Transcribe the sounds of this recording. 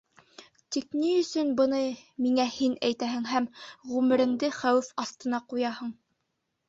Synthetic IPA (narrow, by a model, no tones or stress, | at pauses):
t̪ikniɵ̆sɵnbɤ̆nɤmiŋæhinæjt̪æɦɘŋɦæmʁʉmɘ̆ɾɘ̆ŋd̪ɘχæwɘfɑst̪ɤ̆nɑqujɑhɤɴ